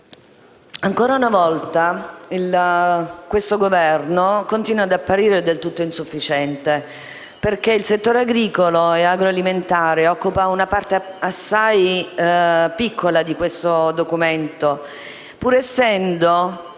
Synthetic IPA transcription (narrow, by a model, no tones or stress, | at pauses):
aŋkoːɾaunavɔlt̪ail | kwest̪oɡovɛrnokont̪iːnwad̪apːaɾiːɾed̪elt̪ut̪ːoinsufːit͡ʃɛnt̪e | perk̟eilset̪ːoːɾeaɡɾiːkoloeaɡɾoaliment̪aːɾeɔkːupaunapart̪easːaj | pikʰːolad̪ikwest̪od̪okument̪o | puːɾesːɛnd̪o